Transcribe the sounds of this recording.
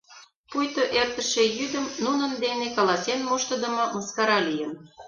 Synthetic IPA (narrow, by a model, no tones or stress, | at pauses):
pujt̪oʔert̪ə̆ʃejyd̪əmnunə̆nd̪enekɑlɑsenmuʃt̪ə̆d̪ə̆mɤməskɑɾɑlijən